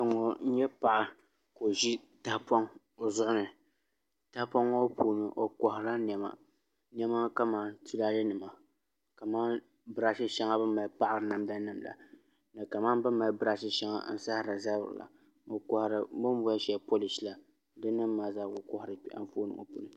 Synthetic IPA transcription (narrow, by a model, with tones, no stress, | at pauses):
ŋo˨n̩˦ɲɛ˦pa˨ʔa˨ | ko˨ʒi˦ | ta˦hpɔ˦ŋ | o˨zʊ˦ʔʊ˦nɨ˨ | ta˦pɔ˦ŋo˦pu˦nɨ˨ʔo˨kɔ˨hɪ˨ɾa˦n˨ɛ˨ma̰˦ | nɛ˦ma˦ka˦maː˦˨n˦tʰi˦la˦lɨ˦nɨ˨ma˨ | ka˨maː˦ | bɨ˦ɾa˦ʃi˦ʃɛ˦ŋa˦bɨ˦ma˨lpa˦ʔa˨ɾɨ˨na˦mda˦nɨ˦mla̰˨ | nɨ˨ka˨maː˦n˦bɨ˦ma˨lbɨ˦ɾa˦ʃɪ˦ʃɛ˦ŋa̰˦n̩˦sa˦hɾa˨za˦bɾɨ̰˨la̰˨ | o˨kɔ˨hɾɨ˨bɨ˦m˦bʊ˦a˦ʃɛ˦po˦li˨sla˨ | dɨ˦nːɨ˦mː˦aː˦zaː˦˨ɡo˨kɔ˦hɪ˨ɾɨ˨˦a̰˦ɱ˦foː˦nɨ̰˨ŋo̰˨pṵ˨nɨ˦